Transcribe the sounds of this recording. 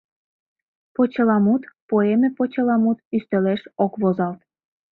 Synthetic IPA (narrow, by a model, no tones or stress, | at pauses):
pot͡ɕə̆lɑmut̪poemĕpot͡ɕə̆lɑmut̪yst̪ə̆leʃokβozɑlt̪